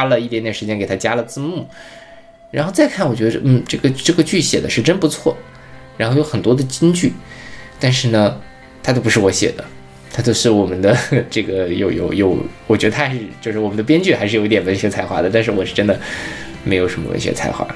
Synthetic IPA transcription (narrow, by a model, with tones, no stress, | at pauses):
lə˨i˥˩jɛ˥nt̪jɛ˨˩nʂ̩˧˥t͡ɕjɛ˥nke˨˩ɪt̪ʰa˥t͡ɕja˥lə˨t͡sɹ̩˥˧mu˥˩ | ɻa˧˥nxo˥˧t͡sa˥˧ɪkʰa˥˩nwɔ˨˩t͡ɕɥɛ˧˥d̪ə̰˧n̩˥˩ʈ͡ʂɤ˥˩ɡə˩ʈ͡ʂɤ˥˩ɡə˩t͡ɕy˥˩ɕjɛ̰˨˩d̪ə̰˦ʂɻ̩˥˧ʈ͡ʂə˥npu˧˥t͡sʰwɔ̰˥˩ | ɻa˧˥nxjo˧˥ʊxə˨˩nt̪wɔ˥d̪ə˨t͡ɕi˥ŋt͡ɕy˥˩t̪a˥˧nʂɻ̩˥˩nə˩ | t̪ʰa˥t͡ɕjo˥˧ʊpu˧˥ʂɻwɔ˧˥ɕjɛ̰˨˩d̪ə̰˦ | t̪ʰa˥t͡ɕjo˥˧ʊʂɻ̩˥˩wɔ˨˩mə˦nd̪ə˧ʈ͡ʂɤ˥˩ɡə˩jo˧˩ʊjo̰˨˩ʊjo˨˧˩ʊwɔ˨˩t͡ɕɥɛ˧˥d̪ə˧a˥˧˥ʂɻ̩˥˧t͡ɕjo˥˧ʊʂɻ̩˥˩wɔ˨˩mə˦nd̪pjɛ˥nt͡ɕy˥˩xa˧˥ɪʂɻ̩˥˩o˨˩ʊi˥t̪jɛ˨˩nwə˧˥nɕɥɛ˧˥t͡sʰa˧˩ɪxwa̰˧˥d̪ə˩t̪a˥˧nʂɻ̩˥˩wɔ˨˩ʂɻ̩˥˩ʈ͡ʂə˥nd̪ə˨ | me˧˥ɪjo˨˩ʊʂə˧˥mə̰˧wə̰˧˥nɕɥɛ̰˧˥t͡sʰa̰˧˥ɪxwa̰˥˩